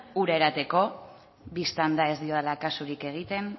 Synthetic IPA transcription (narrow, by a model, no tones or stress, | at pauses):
uɾaeɾat̪e̞ko̞ | βist̪and̪ae̞zd̪io̞ðelakasuɾike̞ɣ̞it̪e̞n